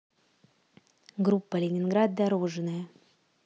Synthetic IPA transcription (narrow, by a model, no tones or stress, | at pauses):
ɡɾupːəlʲɪnʲɪnɡɾad̪̚d̪ɐɾoʐɨnəjə